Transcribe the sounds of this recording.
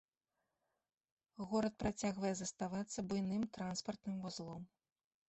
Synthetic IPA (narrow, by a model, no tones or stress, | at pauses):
ɣɔɾɐt̪̚pɾat͡sʲaɣvɐjɛzɐst̪avat̪sːɐbujnɨmt̪ɾanspɐrt̪nɨmvazlˠɔm